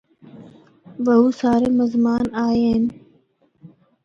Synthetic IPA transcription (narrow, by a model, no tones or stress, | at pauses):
ʋəɦuːsaːɾeːməzmaːnaːjeːn